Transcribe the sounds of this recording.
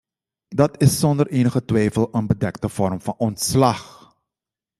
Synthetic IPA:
dɑtɪsːɔndərʔeːnəχətʋɛjfəlˠənbədɛktəfɔrmfɑnɔntslɑx

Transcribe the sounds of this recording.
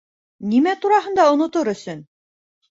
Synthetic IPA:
nimæt̪uɾɑɦɤ̆nd̪ɑŏnŏt̪oɾɵ̆sɵn

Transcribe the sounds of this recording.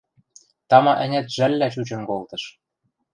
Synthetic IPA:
t̪ɑmɑʔɘ̆nʲæ̆t̪ʒælʲːæt͡ɕut͡ɕɤ̆nkolt̪ɤ̆ʃ

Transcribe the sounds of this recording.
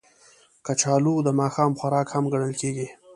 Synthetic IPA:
kət͡ʃɑlud̪əmɑːxɑːmxaɾɑkhamɡaɳəlkeɡi

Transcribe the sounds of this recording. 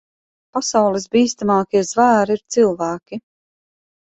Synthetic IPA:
pasawlˠisbiːst̪amɑːkiɛzvæːɾiɾt̪silˠvæːkʲi

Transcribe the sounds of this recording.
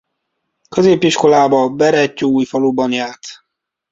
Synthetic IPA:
køzeːpiʃko̞laːbɒbɛɾɛcːoːuːjfɒlubɒnjaːrt̪

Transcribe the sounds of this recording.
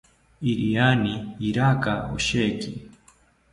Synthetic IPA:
iɾijaniːɾakaɔ̰ʃɛki

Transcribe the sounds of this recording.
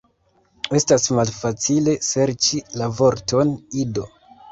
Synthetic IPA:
e̞stasmalfat͡sile̞se̞ɾt͡ʃilavo̞ɾto̞nido̞

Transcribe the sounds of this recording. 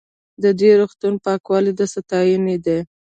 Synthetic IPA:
d̪əd̪wiɾoxt̪unpɑkwɑlid̪əsat̪ɑjəned̪e

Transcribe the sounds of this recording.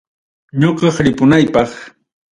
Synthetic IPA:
ɲoqɑχɾɪpʊnajpɑχ

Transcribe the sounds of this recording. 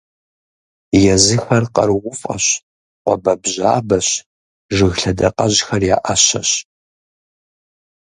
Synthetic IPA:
jɛzɨxɐrqɐ̰rʁʷʊfʼɐ̰ɕ | qʷɔbɐbʑaːbɐɕ | ʐɨɣɬɐdɐqɐʑxɐrjaːʔaɕɐɕ

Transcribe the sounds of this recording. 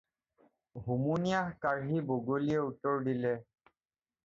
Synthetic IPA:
ɦumunijahkaɹɦiboɡoliɛutːɔɹdilɛ

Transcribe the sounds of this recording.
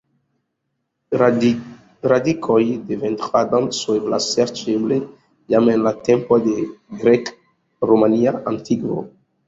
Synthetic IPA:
ɾadikʰojdevent̪ɾad̪answevla̰seɾt͡ʃeble | jamenlat̪empod̪eɡɾek | ɾomaniaʔantʰiɡvo̰

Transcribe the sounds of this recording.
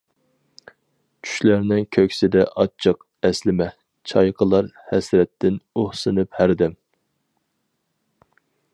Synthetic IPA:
t͡ʃʰy̥ʃlæɾnɪŋkʲʰøkʲsɪd̪ɛʔɑt͡ʃʰɨq | ɛslɪmɛ | t͡ʃʰɑjqʰəlˠɑɾhɛsɾɛt̪ːɪnohsɨnɨphæɾd̪ɛm

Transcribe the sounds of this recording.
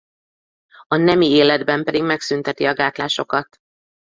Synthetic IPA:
ɒnɛmieːlɛd̪bɛmpɛd̪iɡmɛksynt̪ɛt̪iɒɡaːt̪laːʃo̞kɒt̪

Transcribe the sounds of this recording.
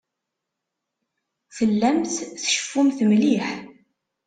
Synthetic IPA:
θəlːæmθθʃə̥fːumθəmliħ

